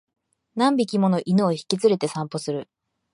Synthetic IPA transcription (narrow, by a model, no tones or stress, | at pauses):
nãmbʲikʲimo̞no̞ʔinɯːçi̥kʲit͡sɨɾe̞t̪e̞sãmpo̞sɨɾɯ̟